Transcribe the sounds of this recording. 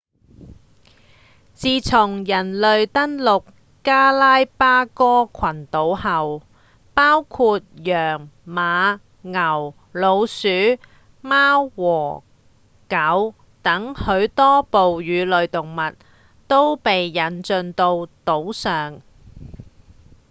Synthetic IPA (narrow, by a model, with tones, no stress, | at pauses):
t͡siː˨˧t͡sʰʊ˨˩ŋjɐ˨˩nlɵ˨ɥt̪ɐ˥nlʊ˨k | kaː˥laː˥jpaː˥kɔː˥kʰɐ˨˩nt̪o˨˥whɐ˨w | paː˥wkʰuː˧t̚jœː˨˩ŋmaː˨˧ | ŋɐ˨˩w | lo˨˧wsyː˨˥ | maː˥wːɔː˨˩ | kɐ˨˥w | t̪ɐ˨˥ŋhɵ˨˧˥ɥt̪ɔː˥po˨wjyː˨˧lɵ˨ɥt̪ʊ˨ŋmɐ˨t̚ | t̪o˥wpe˨jːɐ˨˥nt͡ʃɵ˨nt̪o˧wt̪o˨˥wsœː˨ŋ